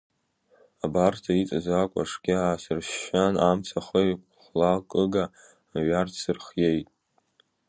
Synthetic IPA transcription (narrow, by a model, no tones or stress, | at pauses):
abartʰait͡sʼazakʷʼa̰ʂɡʲɪaːsɨrʃanamt͡sʰaχəjʷ | χʷlakʼɨɡaː | ɥartʰsɨrχje̞jtʼ